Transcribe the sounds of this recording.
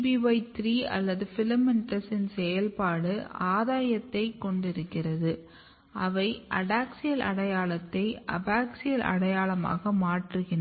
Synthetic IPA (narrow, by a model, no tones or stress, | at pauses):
biʋɐɪt̪ɾiːɐ̰lːɐðɯfɪlɐmɪnʈɐsɪnsɛjɐlpaːɽɯʔaːðaːjɐt̪ːɐɪkːɔɳɖɪɾɯkːɪrɐðɯ | ʔɐʋɐɪʔɐɽaːksɪjɐlʔɐ̰ɽɐjaːɭɐt̪ːɐɪʔɐ̰baːksɪjɐlʔɐ̰ɽɐjaːɭɐma̰ːɣɐmaːʈrɯɣɪn